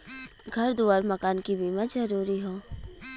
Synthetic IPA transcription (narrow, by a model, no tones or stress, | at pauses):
ɡʱɐɾd̪uːaːɾmɐkaːnkibiːmazɐɾuːɾiɦõː